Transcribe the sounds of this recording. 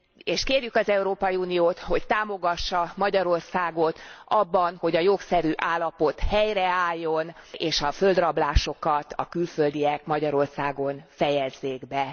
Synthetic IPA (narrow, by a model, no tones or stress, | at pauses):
eːʃkeːrjykɒzɛuɾoːpɒjiuːnijoːt̪ho̞ct̪aːmo̞ɡɒʃːɒmɒɟɒɾo̞rsaːɡo̞t̪ɒbːɒnho̞ɟɒjoksɛɾyːʔaːlːɒpo̞t̪hɛjrɛaːjːo̞neːʃɒfø̞ld̪rɒblaːʃo̞kɒt̪ɒkylføld̪ijɛkmɒɟɒɾo̞rsaːɡo̞nfɛjɛzːeːɡbɛ